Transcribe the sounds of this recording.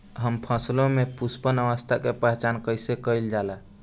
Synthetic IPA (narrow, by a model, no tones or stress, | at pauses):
ɦəmpʰəslomepuspənəʋəst̪ʰakepəɦet͡ʃankəjsekəjld͡ʒala